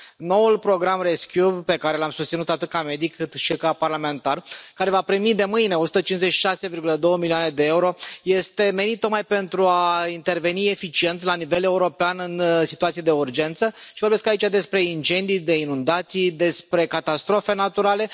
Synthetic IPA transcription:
no̞wulpɾo̞ɡɾamreskʲjupe̞kaɾe̞lamsust̪sinut̪at̪ɨt̪̚kame̞d̪ikʰːɨt̪ʃikaparlame̞nt̪arkaɾe̞vapɾimid̪e̞mɨjne̞osut̪ət͡ʃinzet͡ʃʃi̥ʃase̞virɡuləd̪o̞wəmilioane̞d̪e̞euɾo̞je̞st̪e̞me̞nit̪t̪o̞kmajpe̞nt̪ɾuaint̪e̞rve̞nie̞fit͡ʃient̪lanive̞le̞uɾo̞peanɨnsi̥t̪uat̪sied̪e̞urd͡ʒe̞nt̪səʃivo̞ɾbeskait͡ʃad̪e̞spɾe̞int͡ʃe̞nd̪ijd̪e̞inund̪at̪sijd̪e̞spɾe̞kat̪ast̪ɾo̞fe̞nat̪uɾale̞

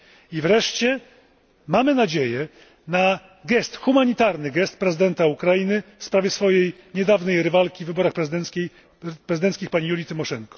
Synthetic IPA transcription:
ivɾɛʂt͡ɕɛ | mamɘnad͡ʑejɛ | na | ɡɛst̪xumaɲit̪aɾnɘɡɛst̪pɾɛzɘd̪ɛnt̪aukɾajinɘfspɾavʲjɛsfɔjej | ɲɛd̪avnɛjɾɘvalkʲivɘbɔɾaxpɾɛzɛej | pɾɛzɘd̪ɛnskʲixpaɲijulʲit̪ɘmɔʂɛŋkɔ̥

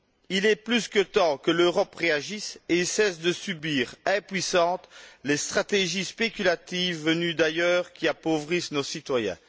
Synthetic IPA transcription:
ilɛplyskət̪ɑ̃kəløʁɔpʁeaʒiseilsɛsd̪əsybiːʁɛ̃pɥisɑ̃t̪lest̪χat̪eʒispekʲylat̪ivːənyd̪ajœːʁkʲiapovʁisnosit̪wajɛ̰̃

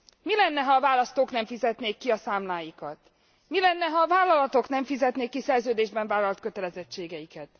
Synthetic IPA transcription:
milɛnːɛɦɒːvaːlɒst̪oːknɛɱfizɛt̪neːkːiɒsaːmlaːjikɒt̪ | milɛnːɛɦɒːvaːlːɒlɒt̪o̞knɛɱfizɛt̪neːkːisɛrzøːd̪eːʒbɛɱvaːlɒlt̪kø̞t̪ɛlɛzɛt͡ʃːeːɡɛjikɛt̪

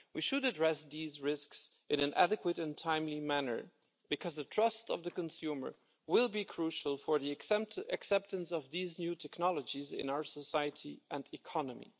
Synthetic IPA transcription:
wiʃɨɾɨdɹɛsðizɹɪsks | ʔɨ̃nɨ̃nʔæ̰ɾɨkwəɾɨ̃ntʰãɪ̃mlimænə̰˞ | b̥ɨkʰʌzðətʰɹ̥ʌstʌ̰vðɨkə̃nsʉmə̰˞ | wɪlˠbikʰɹ̥uʃəl̩ˠfə˞ðiɨksɛp̚tə̃nsʌvðiznjʉtʰɛknɑlˠəd͡ʒizɪ̰̃naʊə˞səsaɪɨɾiʔɨ̃ndɨkʰɑnəmḭ

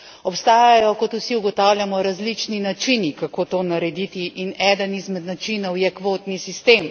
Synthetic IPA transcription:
ɔpst̪aːjajɔkɔt̪uwsiuɡɔt̪awljamɔɾazlit͡ʃninat͡ʃinikakoːt̪oːnaɾɛd̪it̪iʔinɛːd̪ənizmɛd̪nat͡ʃinɔwjɛkʋoːt̪nisist̪eːm

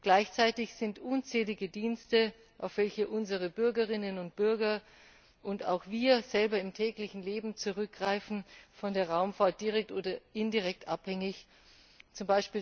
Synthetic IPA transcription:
ɡ̥laɪçt͡saɪtɪçz̥ɪntʔuːnt͡sɛːlɪɡədiːnstə | ʔaʊfv̥ɛlçəʔʊnzəʁ̞əbʏɐɡəʁɪnənʊnt̚b̥ʏɐɡɐ | ʔʊnta̰ʊxv̥iːɐz̥ɛlbɐɪmtʰɛːklɪçn̩leːbm̩t͡suʁʏk̚ɡ̥ʁaɪfn̩fɔndeːɐʁaʊmfaːɐt̚d̥iʁɛk̚tʔoːdɐʔɪndiʁɛk̚tʔaphɛŋɪç | t͡sʊmbaɪʃpiː

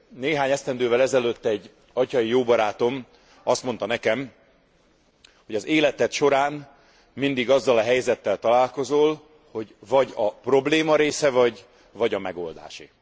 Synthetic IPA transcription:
neːɦaːɲɛst̪ɛnd̪øːvɛlɛzɛløt̪ːɛɟː | ɒcɒjijoːbɒɾaːt̪o̞m | ɒst̪mo̞nt̪ɒnɛkɛm | ho̞ɟɒzeːlɛt̪ɛt̪ʃo̞ɾaːn | mind̪iɡɒzːɒlɒɦɛjzɛt̪ːɛlt̪ɒlaːlko̞zoːl | ho̞ɟvɒɟɒpro̞bleːmɒɾeːsɛvɒɟ | vɒɟɒmɛɡo̞̰ld̪a̰ːʃḭ

